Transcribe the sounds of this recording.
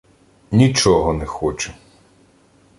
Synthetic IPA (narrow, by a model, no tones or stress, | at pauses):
nʲit͡ʃɔɦɔnɛxɔt͡ʃɛ̥